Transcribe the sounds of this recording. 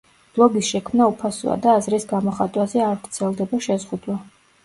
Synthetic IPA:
b̥lˠɔɡisʃɛkʰmnaupʰasṵa̰d̪aːzɾisɡamɔχat̪ʼwazɛaɾt̪t̪sʰɛlˠd̪ɛbaʃɛzʁud̪wa

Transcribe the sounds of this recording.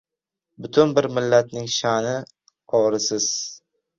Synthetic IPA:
bʊt̪ʰʊnbɪɾmɪlːat̪̚nɪŋʃanɪ | qʰɒɾɪsɪz̥

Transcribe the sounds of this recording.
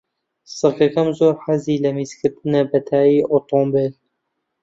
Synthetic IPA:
sɨɾkɐkɐmzoːɾħaziːlɐmiːzkʰɨɾt̪ɨnɐbɐt̪ʰaːiːʔot̪ombel

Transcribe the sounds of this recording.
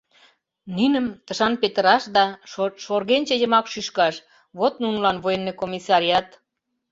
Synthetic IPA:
nynə̆mt̪əʃɑnpet̪əɾɑʃd̪ɑʃorɣenʲt͡ɕə̆jə̆mɑkʃyʃkɑʃ | βot̪nunəlɑnβojenːekomisɑɾiɑt̪

